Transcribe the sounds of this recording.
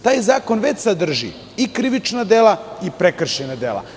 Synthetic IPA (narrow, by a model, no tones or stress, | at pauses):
t̪aːjzaːko̞nʋet͡ɕsad̪r̩ʒḭ | ikɾiʋit͡ʃnad̪elaipɾekr̩ʃenad̪ḛːlˠa̰